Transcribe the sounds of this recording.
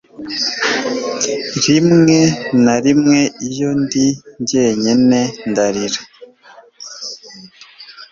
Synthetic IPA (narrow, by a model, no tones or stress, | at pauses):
ɾimŋenaɾimŋe̞ijo̞ndiɲɟe̞ɲenendaɾiɾa